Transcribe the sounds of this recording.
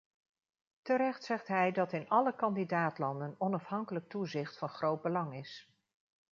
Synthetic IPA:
təɾɛχtsɛχtɦɛjdɑtɪnɑləkɑndidaːtlɑndənɔnɑfɦɑŋkələk̚tuzɪχtfɑnχrowd̚bəlɑŋɪs

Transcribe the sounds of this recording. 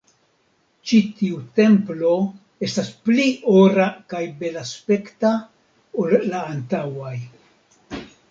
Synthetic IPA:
t͡ʃitiute̞mplo̞ | e̞staspliʔoɾakajbe̞laspe̞kta | olːaːntawaj

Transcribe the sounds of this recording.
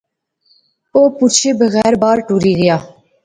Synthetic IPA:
oːput͡ʃʰeːbəɣɛːɾbaːɾʈuːɾiːɡəjaː

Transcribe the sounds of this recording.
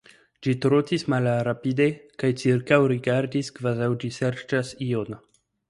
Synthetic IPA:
d͡ʒit̪ɾotismalɾapid̪ekajt͡siɾkawɾiɡaɾdiskvazawd͡ʒiseɾt͡ʃasion

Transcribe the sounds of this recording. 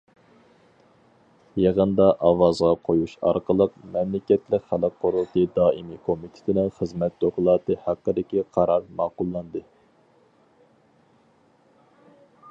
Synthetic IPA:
jeʁənd̪ɑʔɑwɑzʁɑqʰojuʃɑ̰ɾqəlˠəqmɛmlɪkʲɛt̪lɪkʲχælˠɨk̚qʰːoɾulˠt̪id̪ɑːimikʰomit̪ʰɪ̥t̪ʰɪnɪŋχəzmɛt̪t̪oklˠɑːt̪ɨhæqːəd̪ɪkʲiqʰɑɾɑɾmɑːqʊlˠːɑnd̪ɨ

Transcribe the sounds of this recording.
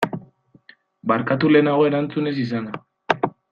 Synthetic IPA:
baɾkat̪̬ule̞ːnaɣ̞o̞e̞ɾant͡sune̞sis̬ana

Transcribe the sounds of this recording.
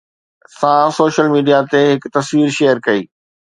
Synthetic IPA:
sãsoːʃəlmiːɖijat̪eɦɪkt̪ɐsʋiːɾʃeːjəɾkɐiː

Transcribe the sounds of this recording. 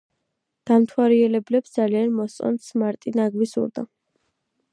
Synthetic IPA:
d̪̥amt̪ʰwaɾiɛlɛblɛpsd̪zalianmɔssʼɔ̰nt̪smaɾt̪ʼinaɡwisṵɾd̪a̰

